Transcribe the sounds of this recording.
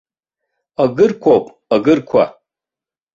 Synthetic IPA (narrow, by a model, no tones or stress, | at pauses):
aɡɨrkʷʰowpʼ | aɡɨrkʷʰa̰